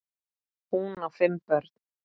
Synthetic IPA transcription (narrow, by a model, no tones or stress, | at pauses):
hunafɪmpœɾ̥t̪n̥